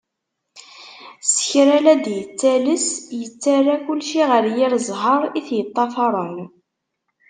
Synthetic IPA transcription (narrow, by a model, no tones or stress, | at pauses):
sə̥çɾælæd̪jət͡sːæləsjət͡sːarːakʊlʃiʁəɾjiɾzˤɦəɾˤiθjət̪ˤːɑfɑɾˤən